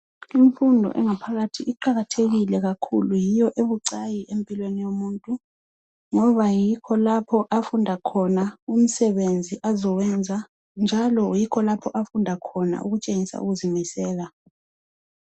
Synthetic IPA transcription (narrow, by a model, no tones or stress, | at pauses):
iɱfundʱɔ̰ʔɛ̰ŋapʰaɣatʰiʔiǃaɣatʰeɣilɛɣakʰṵlujijɔʔeβuǀajiʔempʼilwenijomuːntʼu | ŋɔβajikʰɔlapʰɔʔafundʱakʰɔnaum̩sɛβend͡zʱiʔazɔwɛnd͡zʱa | nd͡ʒʱalɔjikʰɔlapʰɔʔafundʱakʰɔna̰ʔṵɣut͡ʃʼeŋisa̰ṵɣuzimisɛːla